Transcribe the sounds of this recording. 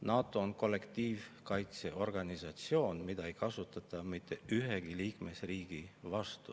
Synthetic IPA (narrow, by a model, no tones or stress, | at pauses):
nɑːt̪ːˑo̞ːnko̞lːe̞kt̪iːvkɑjt̪se̞ʔo̞rɡ̥ɑnisɑt̪sio̞ːnmid̪̥ɑejkɑsut̪ːˑɑt̪ˑːɑmit̪ːˑe̞yɦeɡ̥iliːkme̞sriːɡ̥ivɑst̪u